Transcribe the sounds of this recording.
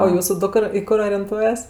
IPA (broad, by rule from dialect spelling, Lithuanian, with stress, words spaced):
oː ˈjuːsʊ ˈdʊkr ɪ ˈkʊr oːrʲɛnˈtuɔjɛs